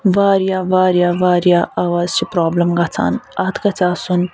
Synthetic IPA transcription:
ʋaːɾjaːʋaːɾjaːʋaːɾjaʔɐwaːzt͡ʃʰipɾaːblɐmɡɐt͡sʰa̰ːnɐt̪ʰkɐt͡saːsun

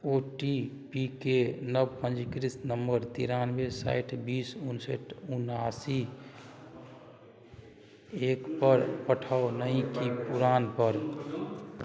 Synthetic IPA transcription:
oʈi | pikenəbpə̃nd͡ʒikɾisnəmbəɾt̪ḭɾanbesa̰ɪʈʰbiːsunsə̰ʈʰunasi | ekpəɾpəʈʰəonəĩkipuɾaːnpəɾ

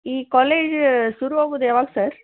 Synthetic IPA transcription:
iːkɔːleːd͡ʒsʊɾuʋoːɡud̪eːʋaːɡsɐɾ

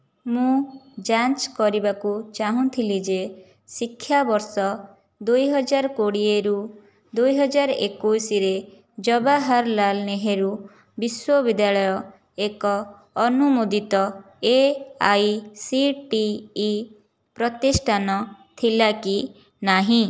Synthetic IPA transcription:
mũd͡ʒant͡ʃkɔɾibakut͡ʃaɦũt̪ʰilid͡ʒe | sikʰːjabɔɾsɔ | d̪ujɦɔd͡ʒaɾɔkoɽieɾu | d̪ujɦɔd͡ʒaɾʔḛkujsiɾe | d͡ʒɔbaɦaɾlalneɦeɾu | biswɔbid̪jaɭɔjɔ | ekɔː | numud̪it̪ɔ | eajsiʈiː | pɾɔt̪isʈʰanɔt̪ʰilaki | naɦĩ

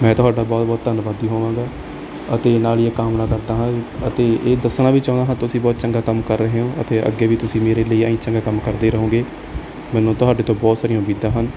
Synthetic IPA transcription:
mɛ̃ːt̪ʊɦaːɖaːbɔːt̪̚bɔːt̪t̪ənʋad̪iːɦoːʋãːɡaː | ət̪eːnaːljeːkaːmnaːkəɾd̪aːɦãːət̪eːeːd̪əsnãːʋiːt͡ʃãːd̪aːɦãt̪ʊsĩːbɔːt̪t͡ʃəŋɡaːkəmkəɾːəɦeːõːʔə̰t̪eːʔə̰ɡːeːʋiːt̪ʊsĩːmeːɾeːləiːaːĩːt͡ʃəŋɡaːkəmkəɾd̪eːɾəɦõːɡeː | mɛ̃ːnõːt̪ʊɦaːɖeːt̪õːbɔːt̪saːɾijãːʊmiːd̪ãːɦən

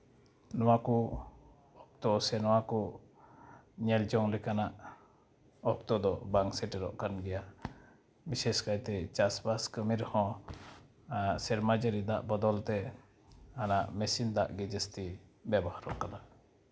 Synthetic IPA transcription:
nɔwaku | ɔp̚t̪ɔsɛnɔwaku | ɲɛld͡ʒɔŋlɛkanaʔ | ɔp̚t̪ɔd̪ɔbaŋsɛʈɛɾɔ̰ʔkanɡɛja | misɛskajt̪ɛt͡ʃasbaskəmiɾhɔ̃ | sɛɾmad͡ʒəɾid̪a̰ʔbɔd̪ɔlt̪ɛ | hanaʔmɛsind̪aʔɡɛd͡ʒɛst̪ibɛbɔhaɾɔʔkala

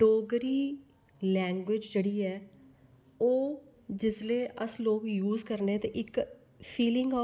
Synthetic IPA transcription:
ɖoːɡɾiː | lɛ̃ːŋɡwɪd͡ʒd͡ʒeːɽiːɛː | oː | d͡ʒɪsleːʔəsloːkjuːzkəɾneːt̪ẽːʔɪk | pʰiːlɪ̃ŋɡɔː

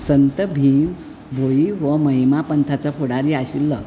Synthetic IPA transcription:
sənt̪əbʱim | bʱojiʋəməɦimapənt̪ʰat͡səpʰoɽaɾiaɕilːə

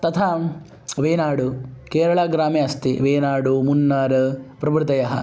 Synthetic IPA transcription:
t̪ɐt̪ʰaː | ʋeːnaːɽukeːɾɐɭaːɡɾaːmjɐɐst̪iʋeːnaːɽumunːaːɾɐpɾɐbɾt̪ɐjɐɦɐ̰

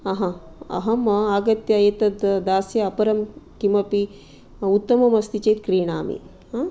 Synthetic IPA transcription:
ɐɦɐ̃ɐ̰ɦɐmɐaːɡɐt̪jɐjet̪ɐd̪d̪aːsjɐɐpɐɾɐmkimɐpi | ut̪ːɐmɐmɐst̪it͡ʃɐt̪̚kɾeːɳaːmḭ | a

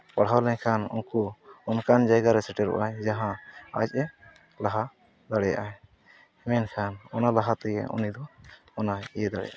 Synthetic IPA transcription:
paɽ̤ɦawlɛɲkʰanṵnkuɔnkand͡ʒajɡaɾɛsɛʈɛɾṵʔajd͡ʒaɦãa̰t͡ʃ̚ˀɛ | laɦa | d̪aɽɛja̰ʔaj | ɛmɛnkʰanɔnalaɦat̪ɛjɛ̰ɔ̰nid̪ɔ | ɔnaɛjɛd̪aɽɛ̰ja̰ʔ

